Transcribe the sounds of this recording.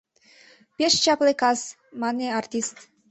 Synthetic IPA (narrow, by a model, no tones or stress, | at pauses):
peʃt͡ɕɑplekɑz | mɑneɑrt̪ʲist̪